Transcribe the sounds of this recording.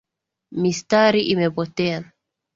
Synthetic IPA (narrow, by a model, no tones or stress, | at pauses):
mist̪aɾiʔimɛbɔtɛan